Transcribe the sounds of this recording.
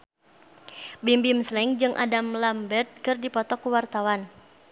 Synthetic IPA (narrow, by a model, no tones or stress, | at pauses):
bimbimslɛŋd͡ʒɨŋʔa̰damlambɛt̪̚kɨrdipɔt̪ɔkuwart̪awan